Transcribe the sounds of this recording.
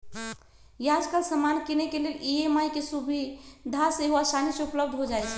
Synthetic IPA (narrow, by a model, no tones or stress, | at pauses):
jad͡ʒkəlsəmankenekeleliemajkesubʱid̪ʱaseɦoasanisupləb̚d̪ʱɦod͡ʒajt͡ʃʰɛ̥